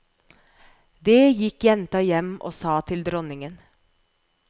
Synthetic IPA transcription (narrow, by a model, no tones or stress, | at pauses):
d̪eːjɪkjɛnt̪ɑjɛmʔo̰ːsɑːt̪ʰɪld̪ɾɔnɪŋən